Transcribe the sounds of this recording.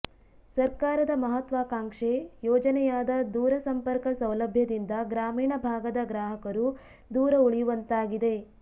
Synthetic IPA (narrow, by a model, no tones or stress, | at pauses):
sɐɾkaːɾɐd̪ɐmɐɦɐt̪ʋaːkaːŋʂejɔːd͡ʒɐnɛjaːd̪ɐd̪uːɾɐsɐmpɐɾkɐsɐwlɐbʱjɐd̪ind̪ɐɡɾaːmiːɳɐbʱaːɡɐd̪ɐɡɾaːɦɐkɐɾu | d̪uːɾɐuɭijuʋɐnt̪aːɡid̪e̞